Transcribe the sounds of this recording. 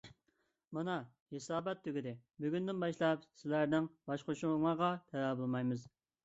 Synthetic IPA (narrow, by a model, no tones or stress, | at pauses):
mɑnɑ | hesɑːbɛt̪ʰːyɡʲid̪ɪbyɡʲynd̪ɪnbɑʃlˠɑp̚sɪlæɾnɪŋbɑʃqʰoʃuŋɑʁɑt̪ʰɛɾæbolˠmɑjmɨz